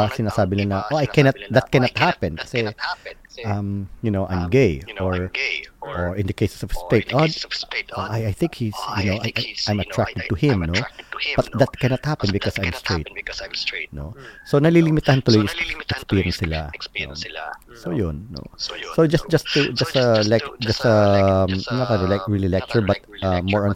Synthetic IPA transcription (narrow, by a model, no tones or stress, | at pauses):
sɪnaːsaːbɪnanɐʔoʔajkɛnɐt̪̚d̪ɐt̪̚kɛnɐt̪̚hapɛ̃nkɐ̥sɛ | ʔɐmjʊnowʔã̰jmɡejoɹ | ʔoɹɪ̃nd̪ɐkejsɛ̥sɔvst̪et̪odʔʔajajθɪ̃ŋkhisjʊnowʔajʔajʔãj̃mɐt̪ɹak̚t̪ɛd̪̚t̪uhɪ̃mnob̥ɐt̪d̪ɐt̪̚kɛ̃nɐt̪hapɛ̃nbɪkɔsãjmst̪ɹeɪt̪̚ | no̰sonɐlilimɪt̪ahɐnt̪ʊlujʔɛkspiɹjɛnsɪla̰no̰sojʊnːo̰sod͡ʒɐs̚d͡ʒɐst̪ud͡ʒɐst̪ɐlɛkd͡ʒɐst̪ɐmnat̪̚ad̪əlakɹililɛk̚t͡ʃəɹbɐt̪̚ʔɐmːɔɹɔ̃n